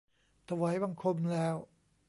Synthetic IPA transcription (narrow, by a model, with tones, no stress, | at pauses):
t̪ʰa˧wa˨˦˥jba˧ŋkʰo˧mlɛː˦˥w